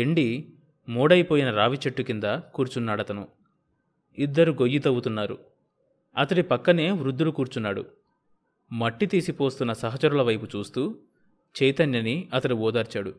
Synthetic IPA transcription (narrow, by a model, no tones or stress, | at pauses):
eɳɖi | muːɽɐjpoːjinɐɾaːʋit͡ʃeʈːukind̪ɐkuːɾut͡ʃunːaːɽɐt̪ɐnu | id̪ːɐɾuɡo̞jːit̪ɐwut̪unːaːɾṵ | ɐt̪ɐɽipɐkːɐne̞ːʋɾud̪ːulukuːɾt͡ʃunːaːɽṵ | mɐʈːit̪iːsipo̞ːst̪unːɐsɐɦɐt͡ʃɐɾulɐʋɐjput͡ʃuːst̪uː | t͡ʃɛjt̪ɐnjɐniɐt̪ɐɽiɔːd̪aːɾt͡ʃaːɽu